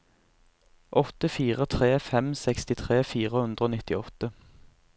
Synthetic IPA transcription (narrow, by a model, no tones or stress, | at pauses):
ʔɔt̪əfiːʁət̪ʰʁeːfɛmsɛkst̪ɪt̪ʰʁeːfiːʁəhʉnd̪ʁəoːnɪt̪ɪɔt̪ə